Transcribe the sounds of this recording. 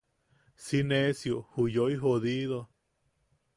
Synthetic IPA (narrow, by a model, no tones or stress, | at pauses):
sinesjohujoiɦoðiðo